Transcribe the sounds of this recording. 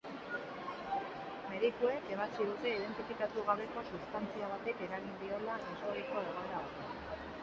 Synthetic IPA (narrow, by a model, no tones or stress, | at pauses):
me̞ðikue̞ke̞β̞at͡sið̞ut̪e̞ið̞e̞nt̪ifikat̪uɣ̞aβe̞ko̞sust̪ant͡siaβ̞at̪e̞ke̞ɾaɣind̪io̞laʔesoɾiko̞eɣ̞oeɾaoɾte